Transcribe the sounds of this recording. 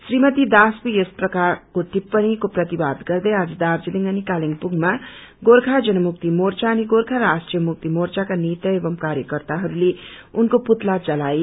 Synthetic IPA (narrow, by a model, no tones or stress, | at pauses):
srimʌt̪id̪askojesprʌkarkot̪ipːʌnikoprʌt̪ibad̪ɡʌrd̪ʌjad͡zʌd̪ard͡ziliŋɡʌnikaliŋpurɡma | ɡorkʰad͡zʌnʌmuk̚t̪imort͡saːniɡorkʰaɾasʈrijʌmuk̚t̪imort͡sakanit̪ʌebʌmkaɾjʌkʌrt̪aɦʌɾuleunkoput̪lad͡zʌlaj